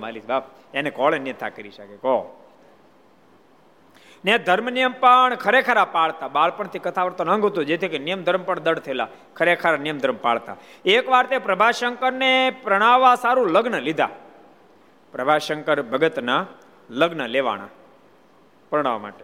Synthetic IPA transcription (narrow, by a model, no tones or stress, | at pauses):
a̰lit̪bab̚ | enekɔɭenijət̪ʰa̰kəɾiʃəkekɔ | ned̪ʱəɾmnijəmpəɳkʰəɾekʰəɾapaɭt̪abaɭpəɳt̪ʰikət̪ʰaʋəɾt̪onə̃ŋɡʱɦot̪ũd͡ʒet̪ʰikenijəmd̪ʱəɾmpəɳd̪əɽt̪ʰəela̰ | kʰəɾekʰəɾanijəmd̪ʱəɾmpa̰ɭt̪a̰ekʋaɾt̪epɾəbʱaʃəŋkəɾnepɾəɽ̃aʋasaɾũləɡnəlid̪ʱa̰ | pɾəbʱaʃəŋkəɾbʱəɡət̪na | ləɡnəleʋa̰ɽ̃a̰ | pɾəɽ̃aʋa̰ma̰ːʈe